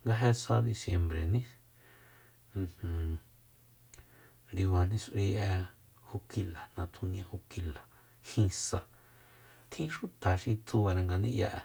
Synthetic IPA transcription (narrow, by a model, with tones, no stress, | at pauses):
ŋɡa˧ɦe˧sa˧d̪i˧sje˧mbɾe˨nĩ˦˧ | h̩˧ | nd̪i˧wa˧n̥ĩ˦sʔi˧ʔɛ˧ | ho˧ki˧la˨nã˨t̪ʰũ˧nj̃ã˧ho˧ki˧la˨ | hĩ˧sa˧ | t̪ʰĩ˦ʃu˦t̪a˨ʃi˧t͡su˧a˧ɾa˧ŋɡa˧nĩ˦ja˧ʔ